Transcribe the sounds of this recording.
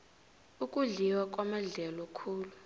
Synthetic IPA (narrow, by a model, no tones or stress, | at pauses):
ukʼuɮiwak̬ʼwamaɮɛlɔkʰuːlu